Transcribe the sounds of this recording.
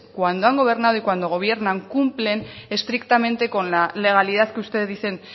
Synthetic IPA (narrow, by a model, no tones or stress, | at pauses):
kwand̪oaŋɡo̞β̞e̞ɾnaðuikwand̪o̞ɣ̞o̞β̞je̞ɾnaŋkumple̞ne̞st̪ɾikt̪ame̞nt̪e̞ko̞nlale̞ɣ̞aliðat̪keust̪eððise̞n